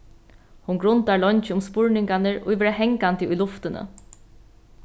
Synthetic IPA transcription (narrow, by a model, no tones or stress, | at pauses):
hʊnɡɾʊnt̪aɹlɔɲt͡ʃɪʊmspʊɹnɪŋkanəɹʊ̰jʋɛːɾaɦɛŋkant̪əʊjlʊft̪ɪnə̰